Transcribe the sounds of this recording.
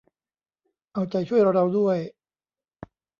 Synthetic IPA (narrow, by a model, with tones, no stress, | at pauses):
ʔa˧wt͡ɕa˨˧˩jt͡ɕʰu˥˩əjɾa˧ɾa˧wdu˥˩əj